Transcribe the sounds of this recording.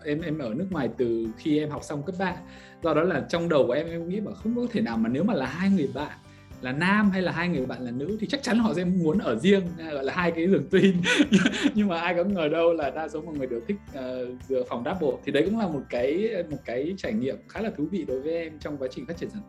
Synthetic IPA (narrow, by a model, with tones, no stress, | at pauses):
ʔɛ˧mʔɛ˧mʔəː˧˩nɨ˦˥əkŋwaː˨˩jt̪ɨ˨˩xi˧ʔɛ˧mɦa˨˩wk͡p̚sa˧wŋ͡mkə˦˥p̚ɓaː˧˥n | zɔ˧ɗɔ˨˦laː˨˩t͡ɕɔ˧wŋ͡mɗə˨˩wku˧˩ʔɛ˧mʔɛ˧mkŋḭ˧˥ɓaː˨˩xə˧wŋ͡mkɔ˧ɔ˦t̪ʰe˧˩naː˨˩wmaː˨˩ne˨˦wmaː˨˩laː˨˩ɦaː˧jŋɨ˨˩əjɓa̰ː˧˨n | laː˨˩naː˧mɦa˧jlaː˨˩ɦaː˧jŋɨ˨˩ə˩jɓa̰ː˧˨nlaː˨˩nɨ̰˧˥t̪ʰi˨˩t͡ɕa˦˥k̚t͡ɕa˨˦nhɔ̰˧˨sɛ̰˧˥mu˨˦ənʔəː˧˩zi˧əŋ˧˩ɣɔ̰˧˨jlaː˨˩ɦaː˧jkaː˨˦jzɨ˨˩əŋt̪wi˧nɲ˧ɲɨ˧ŋmaː˨˩ʔaː˧jkɔ̰˧˥ŋəː˨˩ɗə˧wlaː˨˩ɗaː˧so˨˦mɔ̰˧˨˩ŋɨ˨˩əɗɨ˨˩wt̪ʰï˦˥k̟̚ʔəː˨˩zɨ̰˧˨əfŋ͡mɗaː˨˦˥p̚ɓo̰˧˩t̪ʰi˨˩ɗə˧jkʊ̰˧˥ŋ͡mlaː˨˩mo˨˩t̚kaː˨˦jmo˨˩t̚kaː˨˦jt͡ɕaː˧˩jŋḭ˧˨əmxaː˨˦laː˨˩t̪ʰvḭ˧˨ɗo˨˦jvəː˨˦jʔɛ˧mt͡ɕɔ˧wŋ͡mkwaː˨˦t͡ɕï˨˩ŋ̟faː˦˥t͡ɕi˧˩ə˨zaː˧˩˧